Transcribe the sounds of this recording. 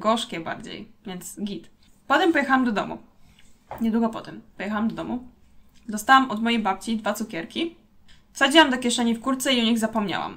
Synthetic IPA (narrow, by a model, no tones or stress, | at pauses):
ɡɔʂkʲɛba̰ɾd͡ʑḛjvʲjɛnt̪sɡʲit̪ | pɔt̪ɛmpɔjɛxawamd̪ɔd̪ɔ̰mṵ | ɲɛd̪wuɡɔpɔ̰t̪ɛmpɔjɛxawamd̪ɔd̪ɔmu | d̪ɔst̪awamɔd̪mɔjejbapt͡ɕid̪vat̪sukʲɛɾkʲi | fsad͡ʑiwamd̪ɔkʲjɛʂɛɲifkuɾt̪sɛiuɲiɣzapɔmɲa̰wa̰m